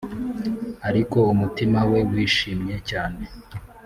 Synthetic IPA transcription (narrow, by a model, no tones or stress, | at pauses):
aɾiko̞umutimawe̞wiːʃiːmɲe̞caːne̞